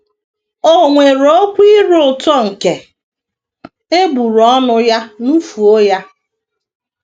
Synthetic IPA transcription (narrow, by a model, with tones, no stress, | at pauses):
o˦ŋʷe˨ɾo˦kʷi˦ɾʊ˦ʊ˨tɔ˦ŋ̩˨ke˨ | e˦bu˨ɾɔ˦nʊ˦ja˦nu˦fu˨o˦ja˦